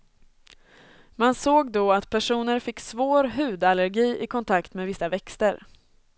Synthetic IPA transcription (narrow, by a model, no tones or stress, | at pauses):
mansoːɡd̪oːat̪pʰæʂuːnəɾfɪkːsvoːɾɦʉ̟ːd̪aləɾɡiːʔɪkʰɔnt̪ʰakt̪meːvɪsːavɛkst̪əɾ